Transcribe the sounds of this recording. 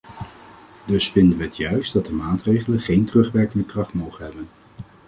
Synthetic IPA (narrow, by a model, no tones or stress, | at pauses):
dɵsfɪndənʋəɦətjœɥstdɑt̚dəmaːtrejχələnχejntrɵχʋɛɹkəndəkrɑχtmowχənɦɛbən